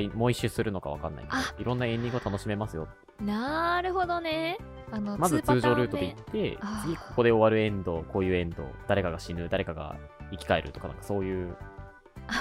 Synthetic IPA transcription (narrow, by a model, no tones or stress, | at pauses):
imo̞ĩɕɨsɨɾɯ̟no̞ka̰β̞a̰ka̰nːa̰ḭiɾõ̞nːaẽ̞ɲd̪ʲĩŋɡɯot̪ano̞ɕime̞masɨjo̞̰t̪ | naɾɯ̟ɦo̞d̪o̞ne | anomazɨt͡sɨːʑo̞ːɾɯ̟ːt̪od̪eit̪ʰːe̞t͡sɨɡʲiko̞ko̞d̪e̞o̞βaɾɯ̟ẽ̞nd̪o̞ko̞ːjɯ̟ːẽ̞nd̪o̞̰d̪̥aɾe̞kaɡaɕinɯ̟d̪aɾe̞kaɡa̰ | ikʲi̥kae̞ɾɯ̟̰t̪o̞kana̰ŋkḁso̞ːjɯ̟ː